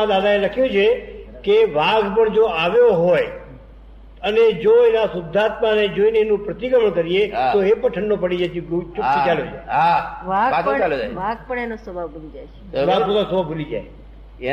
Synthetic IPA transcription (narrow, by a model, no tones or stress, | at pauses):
ãd̪ad̪aeləkʰjũt͡ʃʰekeʋaɡpəɳd͡ʒoaʋjoɦoj | əned͡ʒoenasʊd̪ʱːat̪maned͡ʒoeneːnũpɾət̪ikəməɳkəɾiet̪oepəʈʰəɳːopəɽid͡ʒakt͡ʃuit͡ʃaljod͡ʒa̰eaʋaɡaõt͡ʃalod͡ʒaʋaɡ̚pəɳenosəbʱabʱulid͡ʒajʃ | ʋaɡsod̪asəbʱabʱulid͡ʒa̰j